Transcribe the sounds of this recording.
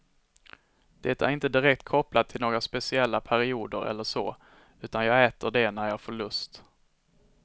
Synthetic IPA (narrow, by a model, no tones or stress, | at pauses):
d̪̥ɛːt̪aæ̰ɾɪnt̪əd̪ɪɾɛk̚t̪kʰɔplad̪̚t̪ʰɪlnoːɡɾaspɛsɪɛlːapʰæɾɪuːd̪əɾʔɛ̰lːəʂo̰ː | ʉ̟ːt̪anjɑːɡɛːt̪əɖɛnæɾjɑːfoɭɵst̪